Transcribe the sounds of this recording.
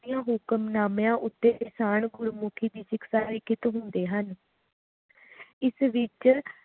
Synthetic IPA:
ijãːɦʊkəmnaːmjãːʔʊt̪ːeːkɪsaːnɡʊɾumuːkʰiːd̪iːʃɪksaːɾɪkɪt̪ɦʊnd̪eːɦən | ɪsʋɪt͡ʃ

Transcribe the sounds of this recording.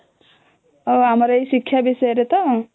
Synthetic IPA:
ʌɦamɾʌesikʰːjabisʌeɾet̪ʌ

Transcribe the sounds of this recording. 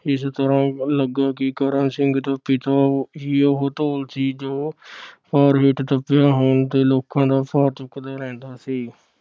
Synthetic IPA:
ɪst̪əɾãːləɡaːkɪkəɾənsɪŋɡt̪əpːiːt̪aːiːoɦoːt̪oːlsiːd͡ʒoːpʰaːɾɦɪʈt̪əpːjaːɦoːnt̪eːloːkːãːd̪aːpʰaːɾt͡ʃʊkːd̪aːɾɛ̃ːnd̪aːsiː

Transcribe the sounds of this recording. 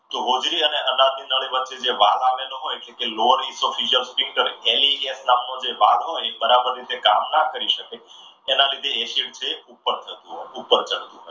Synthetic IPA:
t̪oɦod͡ʒɾiəneʔənaɾd̪ʱinəɭiʋətːʃed͡ʒeʋalaʋeloɦojeʈlekeloəɾisofʰid͡ʒəɾspɾĩŋɡkəɾeeliesnamnõd͡ʒeʋalɦojbəɾabəɾɾit̪ekamnakəɾiʃəke | enalid̪ʱeeʃiʈ̚t͡ʃʰeupːəɾt̪ʰət̪ũɦoupːəɾt͡ʃəɽt̪ũɦɔj

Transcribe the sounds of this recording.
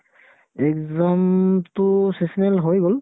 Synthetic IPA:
ɛkzamtʊsesinelɦojɡol

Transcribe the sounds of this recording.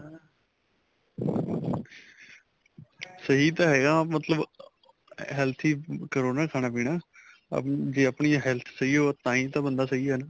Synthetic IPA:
səɦiːt̪ãːɦɛːɡaːmət̪ləb | ɦɛːlt̪ʰiːkəɾoːnaːkʰaːɽaːpiːɽa̰ː | d͡ʒeːaːpɳiːɦɛːlt̪ʰsəiːoːt̪ãːĩːt̪ãːbənd̪aːsəɦiːɛːnaː

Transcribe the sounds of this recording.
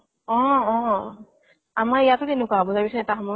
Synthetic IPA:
ɔ̃ɔ̃ | amaɹijatʊtenʊkabɔzabisɔɛtaɦɔmɔ

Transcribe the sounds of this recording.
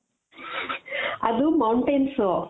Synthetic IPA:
ɐd̪umɐwɳʈenso

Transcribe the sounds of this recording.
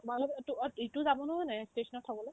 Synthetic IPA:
malɔktuituzabɔnɔɦɔjnɛstesʰɔnɔtʰabɔloj

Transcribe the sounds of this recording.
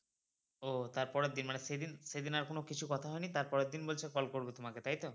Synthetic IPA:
ot̪aɾpɔɾed̪ːinmanesed̪inʃed̪inaɾkonokit͡ɕʰukɔt̪ʰaɦɔenit̪aɾpɔɾed̪inbolt͡ɕʰekɔlkoɾbot̪omaket̪ajt̪o

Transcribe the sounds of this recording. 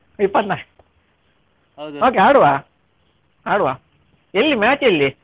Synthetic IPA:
ipːɐt̪na | oːk̬eaːɽuʋaː | aːɽuʋaː | elːimaːt͡ʃelːi

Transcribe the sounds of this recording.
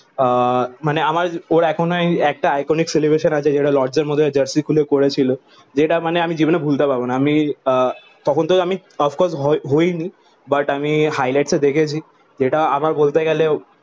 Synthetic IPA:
maneamaɾoɾɛkʰonoɛk̚ʈaajkonikselibɾeʃənat͡ɕʰed͡ʑeʈalɔɾd͡ʑeɾmod̪ʱːed͡ʑəɾsikʰulekoɾet͡ɕʰilo | d͡ʑeʈamaneamid͡ʑibonebʱult̪epaɾbonaami | t̪ɔkʰont̪oami | ɔfʰkɔɾsɦɦojni | baʈamihajlajʈsed̪ekʰet͡ɕʰi | d͡ʑeʈaa̰maɾbolt̪eɡɛle

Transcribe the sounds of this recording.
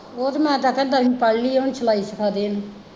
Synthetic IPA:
oːt̪mɛ̃ːt̪ãːkɛd̪əɾipəɽliːoːnt͡ʃəlaːiːsəkʰaːd̪eːn

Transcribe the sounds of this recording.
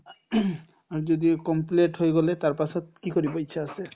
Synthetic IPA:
aɹd͡ʒod̪ikɔmpleʈɦojɡɔlet̪aɹpasɔt̪̚kikoɾibɔjt͡ʃʰaːse

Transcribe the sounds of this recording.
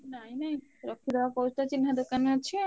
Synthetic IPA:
najnajuɾokʰːid̪eapowsʰʈat͡ɕinːad̪okaneat͡ɕʰe

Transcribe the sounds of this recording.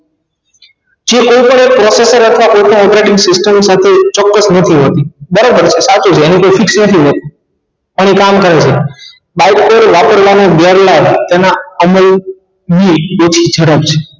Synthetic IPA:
d͡ʒekoipəɳek̚pɾɔsesəɾət̪ʰʋakojpəɳɔpɾeʈɪŋɡsɪsʈəmsat̪ʰet͡ʃɔkːəsnət̪ʰiɦot̪ibəɾabəɾt͡ʃʰesat͡ʃut͡ʃʰeːnikoifɪksnət̪ʰiɦot̪i̥ | əɳ̃ikamkəɾet͡ʃʰe | baiʈpoɾʋapəɾʋanobjaɾlabt̪enaəməl | biot͡ʃʰid͡ʒʱəɾəpt͡ʃʰe̥

